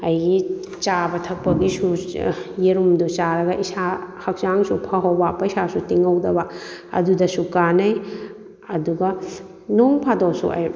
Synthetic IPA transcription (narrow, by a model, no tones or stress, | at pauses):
ɐjɡi | t͡ʃabɐtʰɐk̚pɐɡisujeɾumdut͡ʃaɾɐɡɐʔisahɐk̚t͡ʃaŋsupʰɐɦowbapːɐisasutiŋɐwdɐbɐɐ̰dudɐsukanɐj | ɐduɡɐ | noŋpʰadosṵʔa̰j